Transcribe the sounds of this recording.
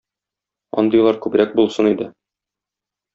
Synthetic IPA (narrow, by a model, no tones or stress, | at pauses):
ɒ̰nd̪ɤ̆jlˠɑɾkʉbɾæk̚bulˠsɤnid̪ɘ